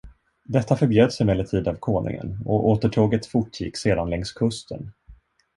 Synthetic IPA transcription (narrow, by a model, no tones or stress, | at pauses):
d̪ɛt̪ːafœɾbjøːd̪sɪmɛlːət̪ʰiːd̪avkʰoːnʔɪ̰ŋə̰nɔʔoːt̪əʈʰoːɡət̪fʊʈʰːjɪ̰kːseːd̪anlɛŋskʰɵst̪ʰə̰n